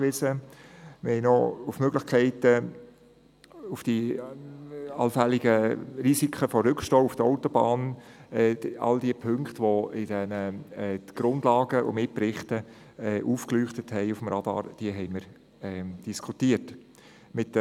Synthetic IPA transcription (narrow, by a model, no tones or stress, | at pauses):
ʋɪsəmɪɾhɛɪnɔufmøɡlɪχkʰɛɪtə | ufd̥i | ɑlfɛlɪɡəɾisikʰχəfɔɾʏkʃtoːufd̥əɔʊtɔbɑːnɛɑ̰ld̥iəpʰøŋkχtʋɔɪd̥ɛnə | ɡ̥ɾʊndlɑːɡəʊ̰mɪt̚pɾɪχtə | ɛʔuːfklyχtəthɛɪufmɾɑd̥̪ɑ̰ːɾd̥iəɦɛɪməɾ | ɛd̥iskʰutiət | mɪt